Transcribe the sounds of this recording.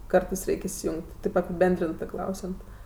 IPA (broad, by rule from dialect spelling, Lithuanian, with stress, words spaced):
ˈkɐrtɜs ˈrʲɛɪkʲ ɪsʲɪjʊŋʲkʲtʲ tɐɪp ɐpʲɪˈbʲɛnʲdʲrʲɪntɜ ˈklˠɐʊsʲɛnt